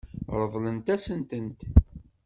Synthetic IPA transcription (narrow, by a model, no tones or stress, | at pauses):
ɾˤəðˤlənt̪æsənt̪ənt̪